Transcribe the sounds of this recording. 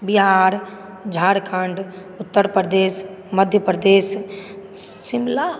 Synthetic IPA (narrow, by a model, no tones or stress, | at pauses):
biɦaɾ | d͡ʒʱaːɽkʰəɳɖ | ʊt̪ːəɾpɾəd̪eːs | məd̪ʱjəpɾəd̪eːs | sɪmla